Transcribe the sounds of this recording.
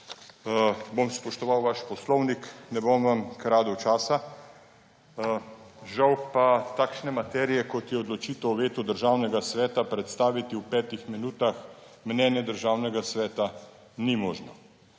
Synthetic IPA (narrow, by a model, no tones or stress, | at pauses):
bomspɔʃt̪ɔʋawʋaʃpɔslɔwniknɛbomʋamkɾaːd̪ɔt͡ʃaːsa | ʒawpat̪aːkʃnɛmat̪ɛːɾijɛkɔt̪jɛɔd̪lɔt͡ʃiːt̪ɛwʋeːt̪ud̪əɾʒaːwnɛɡasʋɛːt̪apɾɛt̪st̪aːʋit̪iwpɛːt̪ixminuːt̪ax | mnɛːnjɛd̪əɾʒaːwnɛɡasʋɛːt̪a | nimɔːʒnɔ̰